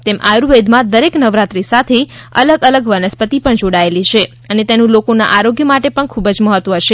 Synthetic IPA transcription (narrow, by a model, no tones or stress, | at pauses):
t̪emʔajɾuʋed̪ʱmãd̪əɾeknəʋɾat̪ɾisat̪ʰeə̰ləɡələɡʋənəspət̪ipəɳd͡ʒoɽaelit͡ʃʰe | ənet̪enũlokona̰ʔaɾoɡjəmaʈepəɳkʰubəd͡ʒməɦət̪ʋəɦəʃe